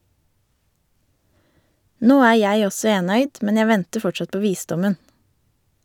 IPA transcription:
ˈnoː ˈæː ˈjæɪ ˈɔsɔ ˈeːnœʏd ˈmɛn ˈjæ ˈʋɛntə ˈfɔt͡ʃɑt ˈpoː ˈʋiːˌsdɔmən

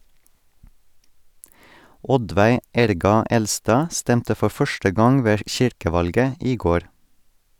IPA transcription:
ˈɔdʋæɪ ˈæɾɡɑ ˈɛlˌstɑː ˈstɛmtə ˈfɔ ˈfœʃʈə ˈɡɑŋ ˈʋeː ˈʃɪɾkəˌʋɑlɡə ˈiː ˈɡoːɾ

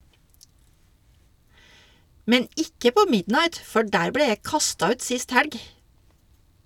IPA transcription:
ˈmɛn ˈɪkə ˈpoː ˈmɪdnɑɪt ˈfɔ ˈɖæːɾ ˈbleː ˈjæɪ ˈkɑstɑ ˈʉːt ˈsɪst ˈhæɽɡ

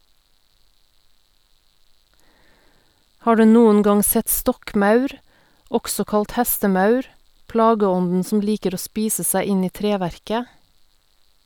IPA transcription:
ˈhɑː ˈɖʉː ˈnuːən ˈɡɑŋ ˈsɛt ˈstɔkˌmɑʉɾ ˈɔɡsɔ ˈkɑlt ˈhɛstəˌmɑʉɾ ˈplɑːɡəˌɔndn̩ sm̩ ˈliːkəɾ ˈoː ˈspiːsə ˈsæɪ ˈɪn ˈiː ˈtɾeːˌʋæɾkə

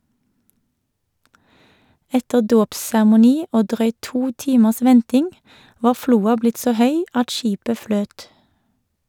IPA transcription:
ˈɛtə ˈdoːpsæʁmʊˌniː ˈoː ˈdʁœʏt ˈtuː ˈtiːməs ˈʋɛntɪŋ ˈʋɑː ˈfluːɑ ˈblɪt ˈsoː ˈhœʏ ˈɑt ˈʃiːpə ˈfløːt

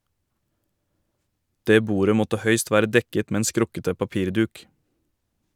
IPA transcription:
ˈdeː ˈbuːɾə ˈmɔtə ˈhœʏst ˈʋæːɾə ˈdɛkət ˈmeː ˈeːn ˈskɾʊkətə pɑˈpiːɾˌdʉːk

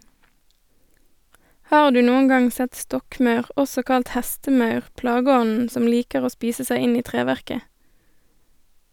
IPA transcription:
ˈhɑːʁ ˈdʉː ˈnuːən ˈɡɑŋ ˈsɛt ˈstɔkˌmɑʉʁ ˈʔɔsɔ ˈkɑlt ˈhæstəˌmɑʉʁ ˈplɑːɡəˌɔnn̩ ˈsɔm ˈliːkəʁ ˈoː ˈspiːsə ˈsæɪ ˈɪn ˈiː ˈtʁeːʋæʁkə

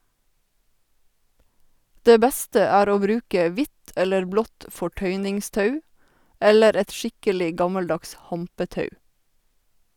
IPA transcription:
ˈdeː ˈbɛstə ˈæːɾ ˈoː ˈbɾʉːkɛ ˈʋɪt ˈɛləɹ ˈblɔt fɔˈʈœʏnɪŋˌstɑʉ ˈɛləɾ ˈɛt ˈʃɪkəlɪ ˈɡɑmɑlˌdɑks ˈhɑmpəˌtɑʉ

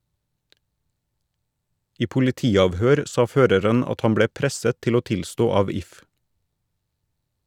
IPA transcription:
ˈiː pʊlɪˈtiːɑʋhøːɾ ˈsɑː ˈføːɾəɾən ˈɑt ˈhɑn ˈbɽeː ˈpɾɛsət ˈtɪl ˈoː ˈtɪlstoː ˈɑːʋ ˈɪf

